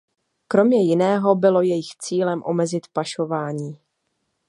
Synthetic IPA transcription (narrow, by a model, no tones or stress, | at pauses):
kɾo̞mɲɛjɪnɛːɦo̞bɪlo̞jɛjɪxt͡siːlɛmʔo̞̰mɛzɪt̪paʃo̞vaːɲiː